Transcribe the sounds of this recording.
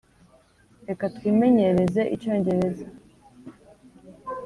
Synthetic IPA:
ɾe̞katwiːme̞ɲe̞ɾe̞ze̞ʔḭco̞ːɲɟe̞ɾe̞za

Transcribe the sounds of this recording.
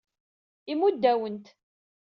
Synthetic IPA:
imud̪ːæwənt̪

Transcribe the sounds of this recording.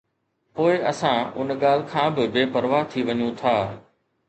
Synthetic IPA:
poːɪɐsãʊ̰nɠaːl̤ɪ̆kʰãːbɪbeːpɐɾʋaːɦt̪ʰiʋɐɲũt̪ʰaː

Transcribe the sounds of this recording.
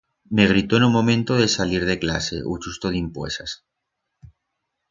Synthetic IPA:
meɣ̞ɾit̪oenumõ̞mẽnt̪oðesaliɾðe̞kla̰se̞̰ʔut͡ʃust̪oð̞impwḛsas

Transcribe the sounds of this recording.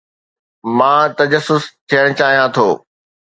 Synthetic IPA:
mãːt̪ɐd͡ʑəsːʊst̪ʰijəɽ̃ʊt͡ɕaːɦijãt̪ʰoː

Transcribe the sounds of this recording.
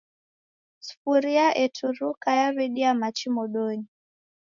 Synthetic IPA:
su̥fuɾiaʔɛtʰuɾukajaβɛɗiamat͡ʃimɔɗɔɲi

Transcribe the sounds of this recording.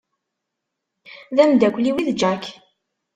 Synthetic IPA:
ðæmd̪ækʷliwiðd͡ʒæk

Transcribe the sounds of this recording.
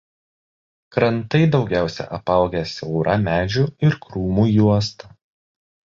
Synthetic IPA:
kɾɐnt̪ɐɪd̪ɒʊɡʲæˑʊsʲɛ̰ʔɐpɐˑʊɡʲɛsʲɛʊɾɐmʲæːd͡ʒʲuɪɾkɾuːmuːjuɔst̪ɐ

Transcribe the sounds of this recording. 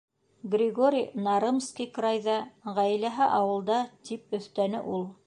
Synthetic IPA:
ɡrʲɪɡoɾʲijnɑɾɤmskikɾɑjðɑʁæjlæɦɘʔɑwɤ̆lˠd̪ɑt̪ʰip̚ɵ̆θt̪ænɘ̰ʔulˠ

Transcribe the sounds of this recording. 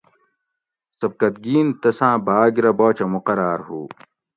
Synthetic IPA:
sɐb̚kɐt̪̚ɡiːnt̪ɐsãːbaːɡiɾɐboːt͡ɕɐmuqɐɾaːɾɦṵː

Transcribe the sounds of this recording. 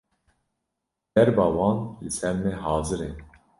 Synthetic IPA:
d̪̥ɛɾbɑːwɑːnlɨsɛɾmɛɦɑːzɨɾe

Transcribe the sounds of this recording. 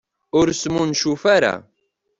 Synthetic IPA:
ʊɾsmunʃufaɾa̰

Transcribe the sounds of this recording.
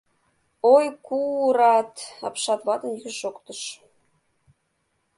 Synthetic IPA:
ojkuɾɑt̪ɑ̰pʃɑt̪βɑt̪ə̆njyʒokt̪əʃ

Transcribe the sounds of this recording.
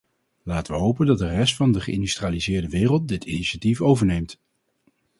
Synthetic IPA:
laːtəʋəɦowpəndɑt̚dərɛstfɑndəχəɪndystraːlizɪːɹdəʋɪːrəlˠt̚dɪtiniʃatifowvəɹnejmt

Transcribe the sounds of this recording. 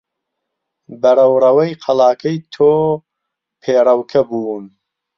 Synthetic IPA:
bɐɾɐwɾɐwɐjqʰɐlaːkʰɐjt̪ʰoː | pʰeːɾɐwkʰɐbuːn

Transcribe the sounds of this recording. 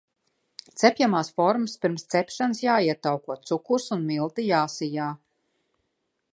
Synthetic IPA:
t̪sɛpʲjamaːsfɔɾmspiɾmst̪sɛpʃansjaːiɛt̪awkuɔt̪sukuɾsunmilˠt̪ijaːsijaː

